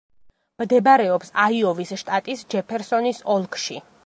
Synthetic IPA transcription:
md̪ɛbaɾɛɔpsaiɔvisʃt̪ʼat̪ʼisd͡ʒɛpʰɛɾsɔnisɔlˠkʰʼʃi

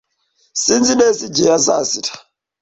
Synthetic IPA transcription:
sind͡zinesid͡ʒɛjasa̰sitʰḁ

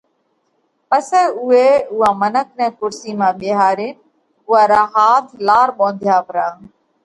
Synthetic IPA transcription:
pəsɛːʊeːʊɦãːmənək̚ʰnɛ̃ːkʊɾsiːmãːɓeːɦaːɾin | ʊɦaːɾaːɦaːt̪ʰlaːɾɓõːnd̪ʱjaːpɾãː

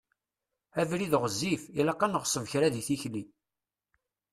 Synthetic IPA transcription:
ævɾiðʁəzːifilæqːɑnəʁsˤəvçɾæðiθiçli

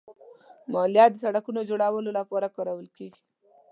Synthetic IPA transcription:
mɑljɑt̪̚d̪əsaɽakunod͡ʒoɽawəlolapɑɾakɑɾawəlkeɡi̥

